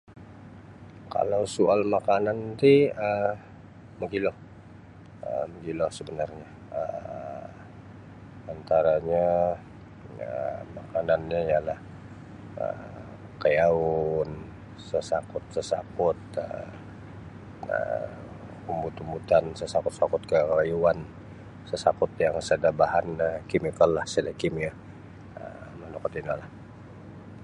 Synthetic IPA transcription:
ka̰lawsualmakanant̪iə | məɡilɔh | ə̰məɡilɔhsəbənarɲa | ə | ant̪aɾaɲa | əmakananɲajalah | ə̰ | kajaʊn | səsakʊt̪̚səsakʊt̪̚ə̰ | ə̰ | umbut̪umbut̪ansəsakʊt̪̚sakʊt̪̚kəlajuan | səsakʊt̪̚jaŋsədabaɦanəkimikəlːahsədakimia | ə̰manukat̪inalah

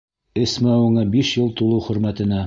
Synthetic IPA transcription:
ɘ̆smæuɴɑbiʃjɤlˠt̪ulˠɤwχɵ̆ɾmæt̪ɘ̆næ

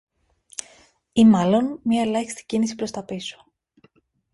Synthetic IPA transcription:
imɐlo̞nmɲɐe̞lɐçi̥st̪i̥cinisi̥pɾo̞st̪ɐpiso̥

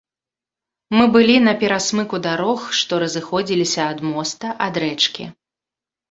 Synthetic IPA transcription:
mɨbɨlʲinɐpʲɛɾasmɨkud̪aɾɔxʂt̪ɔɾɐzɨxɔd͡zʲilʲisʲɐːd̪mɔst̪ɐʔad̪ɾɛt͡ʂkʲḭ

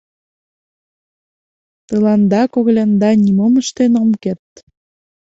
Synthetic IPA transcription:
t̪əlɑnd̪ɑkoɣlʲɑnd̪ɑnʲimomə̆ʃt̪enomket̪̚

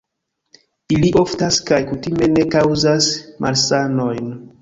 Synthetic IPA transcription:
iliʔo̞ftaskajkutimene̞kawzasmʔalsano̞jn

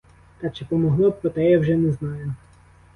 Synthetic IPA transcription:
t̪ɑt͡ʃɪpɔmɔɦlˠɔpɾɔt̪ɛjawʒɛnɛznɑjʊ

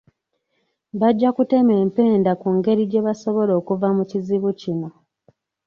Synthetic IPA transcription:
βaɟːakute̞me̞ːmpe̞ːndakuŋɡe̞ɾiɟe̞βaso̞βo̞lo̞ːkuvamuciziβucino̞

